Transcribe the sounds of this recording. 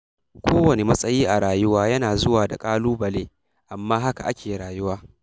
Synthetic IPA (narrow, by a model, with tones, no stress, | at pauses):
kʷʰoː˦wɐ˨ne˨mɐ˦sʼɐ˦jiː˦ʔa˨ɽaː˨jʊ˦waː˦jɐ˦naː˨zʊ˦waː˨da̰˨kʼaː˦luː˦bɐ˨leː˦ | ʔa˨mːaː˦ɦa˦ka˨ʔa˦kʲʰeː˨ɽaː˨jʊ˦waː˦